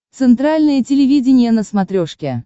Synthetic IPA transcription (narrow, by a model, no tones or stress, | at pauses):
t̪sɨnt̪ɾalʲnɨjətʲɪlʲɪvʲidʲɪnʲɪjənəsmɐt̪ɾʲoʂkʲɪ